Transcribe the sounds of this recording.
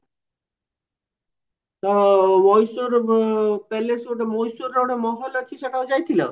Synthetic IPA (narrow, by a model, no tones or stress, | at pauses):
t̪ɔmɔjsoɾpɛlesoʈamojsuɾoʈamɔɦolat͡ɕʰiʃeʈaod͡ʑajt̪ʰila